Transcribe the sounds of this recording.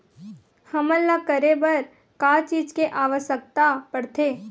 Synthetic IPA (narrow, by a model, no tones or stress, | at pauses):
hɐməlːakəɾebəɾ | kaːt͡ʃiːd͡ʒkeʔaːʋəʃək̚t̪apəɽt̪ʰeː